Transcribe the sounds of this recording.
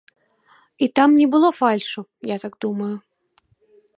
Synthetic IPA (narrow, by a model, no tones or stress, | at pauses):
it̪amnʲɛbɨlˠɔfalʲʂujat̪aɡd̪umɐjʊ